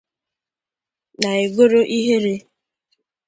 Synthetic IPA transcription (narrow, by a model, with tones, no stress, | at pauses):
na˨e˨ɡo˦ɾo˦ʔi˦ɦe˦ɾe˦